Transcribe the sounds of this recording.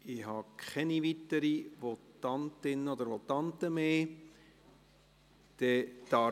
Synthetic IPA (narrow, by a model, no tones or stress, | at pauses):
ɪɦɑkʰχɛniʋit̪ːəɾiʋɔtːɑnt̪ɪnːəod̪əɾʋot̪ːɑnt̪əmeː | d̪̥ɛt̪ɑ